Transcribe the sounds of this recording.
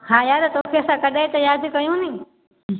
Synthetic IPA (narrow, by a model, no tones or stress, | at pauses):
ɦãːjaːd̪t̪oːkʰeɐsãkɐɗaẽt̪ɐjaːd͡ʒkɐjũnĩː